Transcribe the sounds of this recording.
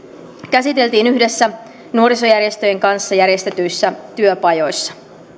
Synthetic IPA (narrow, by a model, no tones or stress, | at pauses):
kæsit̪e̞lt̪iːnyhde̞sːæ | nuo̞ɾiso̞jærje̞st̪ø̞jeŋkɑnsːɑjæɾje̞st̪e̞t̪yjsːæt̪yøpɑjo̞jsːɑ̥